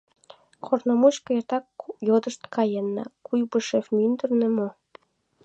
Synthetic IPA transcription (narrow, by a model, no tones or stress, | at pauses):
kʰornomuɕkɤ̆ert̪ɑkjod̪əʃt̪kʰɑjenːɑ̰kujbuʃefmynd̪ərnĕmo